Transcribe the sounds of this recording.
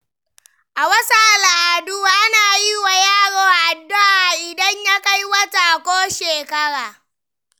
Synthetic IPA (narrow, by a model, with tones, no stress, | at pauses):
ʔa˨wɐ˦saː˦˨la˨ʔa˨dʊ˦waː˦ʔnaː˨ji˦wa˨jaː˦˨ɽoː˨ʔa˨dːʊ˦ʔa˨ʔɪ˨dɐ˦ɲja˦ka˦jwɐ˦taː˨kʷoː˦ʃeː˨kɐ˦ɽaː˨